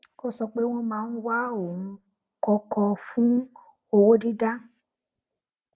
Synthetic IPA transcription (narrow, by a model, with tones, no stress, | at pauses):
ko˦sɔ˧k͡pe˦w̃ɔ̃˦mãː˨˧n̩˦wa˦o˨ũ˨˧ | kɔ˧kɔ˧fũ˦ | o˧wo˦di˦da˦